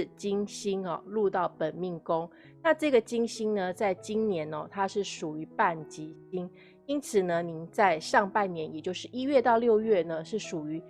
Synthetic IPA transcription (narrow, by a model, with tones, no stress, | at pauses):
t͡ɕi˥ŋɕi˥nɔ̰˨˩lu˥˧t̪ɑ˥˩ʊpə˨˩nmi˥˩ŋkʊ˥ŋ | na˥˧ʈ͡ʂɤ˥˩ɡə˩t͡ɕi˥ŋɕi˥ŋnə˧t͡sa˥˩ɪt͡ɕi˥ŋnjɛ˧˥nɔ̰˨˩t̪ʰa˥ʂɻ̩˥˩ʂu˨˩y˧˦pa˥˩nt͡ɕi˧˥t͡ɕi˥ŋ | i˥nt͡sʰɹ̩˨˩nə˦ni˧˩nt͡sa˥˧ɪʂɑ˥˧ŋpa˥˩nnjɛ˨˦njɛ˨˩t͡ɕjo˥˧ʊʂɻ̩˥˩ʔi˥ɥɛ˥˧t̪ɑ˥˧ʊljo˥˧ʊɥɛ˥˩nə˨ʂɻ̩˥˩ʂu˨˩y˧˥